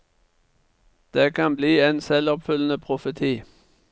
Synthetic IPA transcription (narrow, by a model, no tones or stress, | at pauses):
d̪̥eːkʰɑnbliːeːnsɛlɔpfʏlənəpʰʁʊfət̪ʰiː